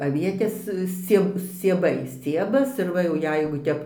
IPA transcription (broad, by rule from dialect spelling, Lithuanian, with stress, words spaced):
ɐˈʋʲiɛtʲeːs ˈsʲt͡sʲiɛ sʲt͡sʲiɛˈbɐɪ ˈsʲt͡sʲiɛbɐs ɪr ˈʋɐ jɛʊ ˈjɛɪɡʊ ˈtʲɛp